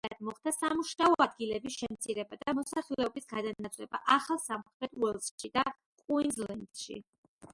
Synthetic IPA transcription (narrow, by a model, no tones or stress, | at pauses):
at̪mɔχd̪asamuʃnaɔad̪ɡilɛbisʃɛmt̪sʰiɾɛbad̪amɔsaχilɛɔbisɡad̪anat̪sʰlɛba̰ʔaχalˠsamχmɛt̪ʰʼuɛlˠsʃid̪a | qʼuinzlɛnd̪ʃḭ